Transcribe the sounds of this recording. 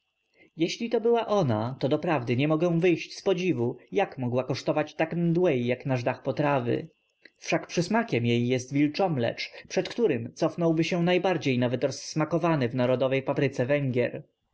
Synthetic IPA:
jɛɕlʲit̪ɔbɘwaʔɔnat̪ɔd̪ɔpɾavd̪ɘɲɛmɔɡɛ̃vɘjɕt͡ɕspɔd͡ʑivujakmɔɡwakɔʂt̪ɔvat͡ɕt̪akmd̪wɛjːaknaʐd̪axpɔt̪ɾavɘ̰ | fʂakpʂɘsmakʲɛmjejːɛst̪vʲilt͡ʂɔmlɛ̰t͡ʂpʂɛt̪kt̪uɾɘmt̪sɔfnɔwbɘɕɛnajbaɾd͡ʑejnavɛt̪ɾɔsːmakɔvanɘvnaɾɔd̪ɔvɛjpapɾɘt̪sɛvɛŋɡʲjɛɾ

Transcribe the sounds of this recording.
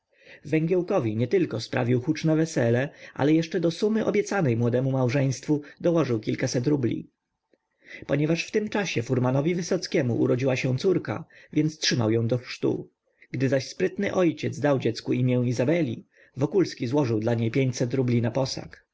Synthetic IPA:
vɛŋɡʲjɛwkɔvʲiɲɛt̪ɘlkɔspɾa̰vʲiwxut͡ʂnɛvɛsɛlɛʔa̰lɛjɛʂt͡ʂɛd̪ɔsumɘʔɔ̰bʲjɛt̪sanɛjmwɔd̪ɛmumawʐɛj̃st̪fud̪ɔwɔʐɘwkʲilkasɛt̪̬ɾublʲḭ | pɔɲɛvaʂft̪ɘmt͡ʂaɕɛfuɾmanɔvʲivɘsɔt̪skʲɛmṵʔṵɾɔd͡ʑiwaɕɛ̃t̪suɾka̰vʲjɛnt̪stʂɘma̰wjɔ̃w̃d̪ɔxʂt̪ṵ | ɡ̥d̪ɘzaɕspɾɘt̪nɘ̰ʔɔjt͡ɕɛd̪zd̪awd͡ʑɛt̪skuimʲjɛw̃izabɛlʲi | vɔkulskʲizwɔʐɘwd̪laɲejpʲjeɲt͡ɕsɛt̪ɾublʲinapɔsa̰k

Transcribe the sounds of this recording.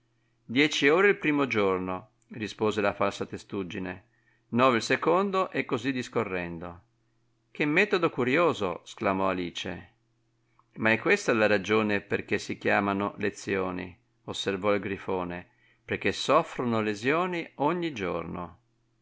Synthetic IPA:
d̪jɛːt͡ʃioːɾeilpɾiːmod͡ʒorno | rispoːzelafalsat̪est̪ud͡ʒːine | nɔːveilsekond̪oʔɛkːozid̪iskorːɛnd̪o | kʰemːɛːt̪od̪okuɾjoːzosklamɔaliːt͡ʃḛ | maɛkːwest̪alaɾad͡ʒoːneperkesikjaːmano̰let̪sːjoːnḭ | osːervɔilɡɾifoːne | perk̟ːesɔfɾonolezjoːnioɲːid͡ʒo̰rno̰

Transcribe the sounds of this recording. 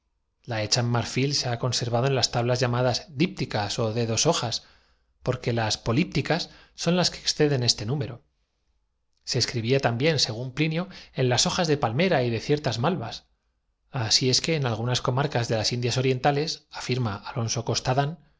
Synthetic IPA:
lae̞t͡ʃamːaɾfilse̞ako̞nse̞ɾβ̞að̞o̞e̞nlast̪aβlazʝamaðazðip̚t̪ikaso̞ðe̞ðo̞so̞xas | po̞ɾke̞laspo̞lip̚t̪ikasː | o̞nlaskeːksθe̞ðe̞ne̞st̪e̞nũme̞ɾo̞ | se̞ːskɾiβiat̪ambje̞nse̞ɣ̞umplinjoe̞nlaso̞xazðe̞palme̞ɾaiðe̞θje̞ɾt̪azmalβas | asie̞ske̞ːnalɣ̞unasko̞maɾkazðe̞lasind̪jaso̞ɾje̞nt̪ale̞safiɾmaalo̞nso̞ko̞st̪aðan

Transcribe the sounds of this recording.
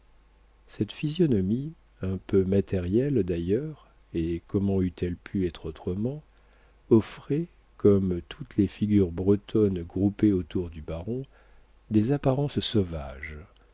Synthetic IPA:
sɛt̪fizjɔnɔmi | ɛ̃pømat̪ɛʁjɛld̪ajœʁ | ekɔmɑ̃yt̪ʰɛlpʰyɛt̪χot̪χəmɑ̃ | ɔfχɛ | kɔmt̪ʰut̪lefiɡʲyʁbʁət̪ʰɔnɡʁupeot̪uʁd̪ybaʁɔ̃ | d̪ezapaʁɑ̃ssɔva̰ʒ

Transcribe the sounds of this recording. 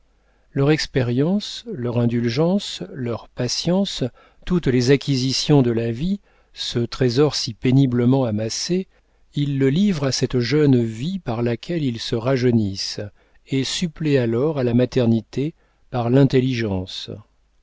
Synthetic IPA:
lœʁɛkspɛʁjɑ̃slœʁɛ̃d̪ylʒɑ̃slœʁpasjɑ̃s | t̪ut̪lezakʲʰizisjɔ̃d̪əlavi | sət̪χezɔʁsipenibləmɑ̃amase | ilːəlivʁasɛt̪ʒœnvipaʁlakʲʰɛlilsəʁaʒənis | esyplealɔʁalamat̪ɛʁnit̪e | paʁlɛ̃t̪eliʒɑ̃s

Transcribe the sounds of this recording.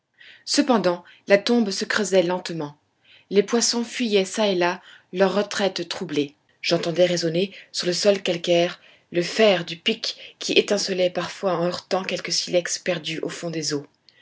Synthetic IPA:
səpɑ̃d̪ɑ̃ | lat̪ɔ̃bsəkχəzɛlɑ̃t̪mɑ̃ | lepwasɔ̃fɥijɛsaelalœʁːət̪χɛt̪t̪χuble | ʒ̥ɑ̃t̪ɑ̃d̪ɛʁezɔnesyʁləsɔlkalkʲɛʁ | ləfɛʁd̪ypikkʲʰːiʔet̪ɛ̃səlɛpaʁfwaɑ̃œʁt̪ɑ̃kʲɛlkəsilɛkspɛʁd̪yʔofɔ̃d̪ezo

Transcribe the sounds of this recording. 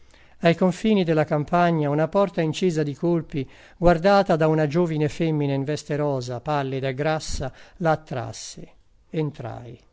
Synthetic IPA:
ajkoɱfiːnid̪elakampaɲːaunapɔrt̪aint͡ʃiːzad̪ikolpi | ɡward̪aːt̪ad̪aunad͡ʒoːvinefemːineiɱvɛst̪eɾɔːzapalːid̪aeɡɾasːalaːt̪ːɾa̰sːḛ | ent̪ɾa̰j

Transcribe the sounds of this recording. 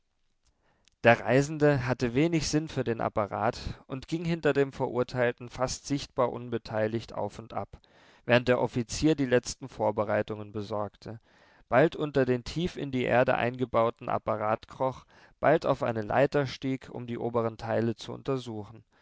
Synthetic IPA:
d̥eːɐʁa̰ɪzn̩dəɦatəveːnɪçz̥ɪnfyːɐdeːnʔa̰paʁa̰ːtʊntɡ̥ɪŋɦɪntɐdeːmfɛɐʔuɐtʰaɪltn̩fastz̥ɪçt̚b̥aːɐʔʊnbətʰaɪlɪçtʔa̰ʊfʊntʔa̰p | v̥ɛːʁ̞ənt̚d̥eːɐʔɔfit͡siːɐdiːlɛt͡stn̩foːɐbəʁaɪtʊŋənbəzɔɐktʰə | b̥altʔʊntɐdeːntʰiːfɪ̰ndiːʔḛːɐdə̰ʔa̰ɪnɡəbaʊtn̩ʔa̰paʁaːtkʁ̥ɔχ | b̥altaʊfʔa̰ɪnənla̰ɪtɐʃtiːkʰʊ̰mdiːʔoːbəʁ̞əntʰaɪlət͡suʔʊ̰ntɐzuːxn̩

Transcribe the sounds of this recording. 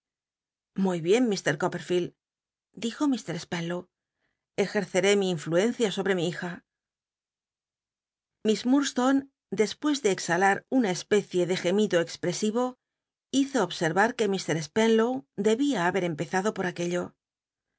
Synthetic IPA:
mujβje̞mmist̪e̞ɾkope̞ɾfil | d̪ixo̞mist̪e̞ɾespenlow | e̞xe̞ɾθe̞ɾe̞miːɱflue̞n̟θjaso̞βɾe̞miixa | mismuɾst̪on | d̪e̞spwe̞zðe̞ːksalaɾunae̞spe̞θje̞ðe̞xe̞mit̪oekspɾe̞siβo̞ | iθo̞ːβse̞ɾβaɾke̞mist̪e̞ɾespenlowd̪e̞βiaːβe̞ɾe̞mpe̞θaðo̞po̞ɾake̞ʎo̞

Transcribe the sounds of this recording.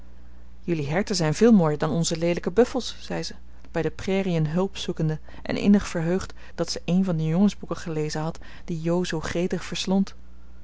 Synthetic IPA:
jɵliɦɛɹtəzɛjnvɪːlˠmoːjəɹdɑnɔnzəlejdələkəbɵfəl̩ˠsːɛjzə | b̥ɛjdəprɛːriənɦɵlˠpsukəndə | ʔɛ̰nʔɪ̰nəχfəɹɦøɥχt | d̥ɑtsəʔejnvɑndəjʊŋənzbukəχəlejzənɦɑt | d̥ijowzowχrejtəχfəɹslɔnt

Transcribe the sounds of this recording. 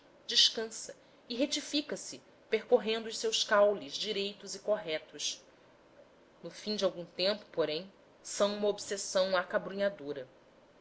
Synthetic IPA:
d͡ʒiʃkɐ̃sɐ | ɪɦet͡ʃifikɐsɪ | peɾkoɦẽnd̪ʊʊʃsewskawlizd͡ʒiɾejt̪ʊzikoɦɛt̪ʊs | nʊfĩd͡ʒɪawɡũt̪ẽmpʊ̥poɾẽj̃ | sɐ̃w̃ũmɐobsesɐ̃w̃akabɾuɲad̪oɾɐ

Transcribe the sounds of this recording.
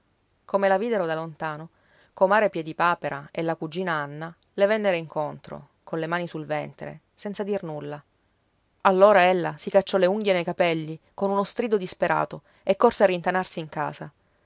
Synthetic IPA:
komelaviːd̪eɾod̪alont̪aːno | komaːɾepjɛd̪ipaːpeɾa̰elːakud͡ʒːiːnaanːa | levɛnːeɾoiŋkont̪ɾo̰ | konlemaːnisulvɛnt̪ɾḛ | sɛnt̪sad̪irnulːa | alːoːɾaelːasikat͡ʃːɔleuŋɡjenejkapɛlːikonunost̪ɾid̪od̪ispeɾʔa̰ːt̪o | ekːorsearːint̪anarsiːŋka̰ːza

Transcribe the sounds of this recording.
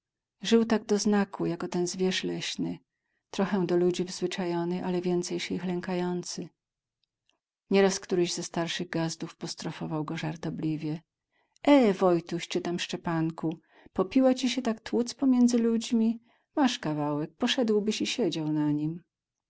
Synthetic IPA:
ʐɘwt̪aɡ̚d̪ɔznakʰujakɔt̪ɛnzvʲjɛʂlɛɕnɘ | t̪ɾɔxɛw̃d̪ɔlud͡ʑivzvɘt͡ʂajɔnɘʔalɛvʲjɛnt̪sɛjɕixlɛŋkajɔnt̪sɘ | ɲɛɾaskt̪uɾɘʑzɛst̪aɾʂɘɣɡazd̪ufpɔst̪ɾɔfɔvawɡɔʐaɾt̪ɔblʲivʲjɛ | ʔɛvɔjt̪uɕt͡ʂɘt̪amʂt͡ʂɛpaŋku | pɔpʲiwat͡ɕiɕɛt̪akt̪wut̪spɔmʲjɛnd̪zɘlud͡ʑmʲi | maʂkavawɛk̚pɔʂɛd̪wbɘɕiɕɛd͡ʑawnaɲim

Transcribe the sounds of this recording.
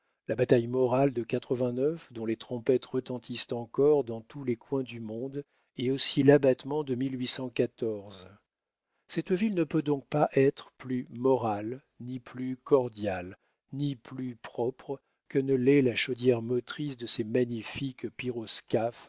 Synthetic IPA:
labat̪ajmɔʁald̪əkat̪χəvɛ̃nœfd̪ɔ̃let̪χɔ̃pɛt̪ʁət̪ɑ̃t̪ist̪ɑ̃kɔʁd̪ɑ̃t̪ulekwɛ̃d̪ymɔ̃d̪ | eosilabat̪mɑ̃d̪əmilɥisɑ̃kat̪ɔʁz | sɛt̪vilnəpød̪ɔ̃k̚paʔɛt̪χəplymɔʁal | niplykɔʁd̪jal | niplypχɔpχ | kənəlɛlaʃɔd̪jɛʁmɔt̪χisd̪əsemaɲifikpiʁɔskʲaf

